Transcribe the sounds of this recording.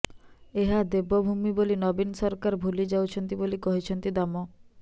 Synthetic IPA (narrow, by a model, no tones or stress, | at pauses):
eɦad̪ebɔbʱumibolinɔbinsɔɾkaɾbʱulid͡ʒawt͡ʃʰɔnt̪ibolikɔɦit͡ʃʰɔnt̪id̪amɔ